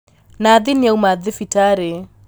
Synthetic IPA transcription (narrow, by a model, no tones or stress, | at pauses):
naðɪniaumaðɪfitaɾe